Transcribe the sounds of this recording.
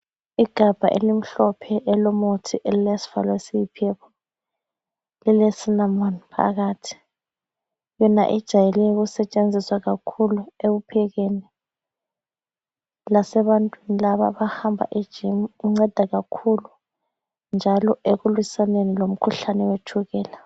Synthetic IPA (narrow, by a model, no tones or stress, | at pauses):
iɡ̥ʱab̥ʱa̰ʔḛlim̩ɬɔpʰɛʔɛlɔmotʰiʔelilesi̥v̥a̰lwesiipʰɛpʰɔ̥ | lilesinamonpʰa̰ɣaːtʰi̥ | jɔna̰ʔɛd̥ʒ̥ʱajɛlɛjɣusɛt͡ʃʼend͡zʱiswaɣakʰulueɣupʰɛɣeni | lasɛβantʼwinilaβa̰βahambʱa̰ʔid̥ʒ̥ʱimɣuŋ͡ǀɛd̥ʱaɣakʰulu | nd͡ʒʱalɔeɣulwisanenilom̩kʰuɬanɛwetʰuɣɛːla